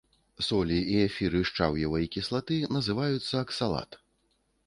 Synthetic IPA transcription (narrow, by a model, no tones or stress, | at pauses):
sɔlʲiiɛfʲiɾɨʂt͡ʂa̰wjɐvɐikʲislˠat̪ɨnɐzɨvajut̪sːɐːksalˠa̰t̪